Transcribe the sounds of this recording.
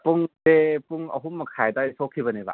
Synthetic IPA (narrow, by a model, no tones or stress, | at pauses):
puŋtepuŋə̰ɦumakʰajdajsokʰibəneba̰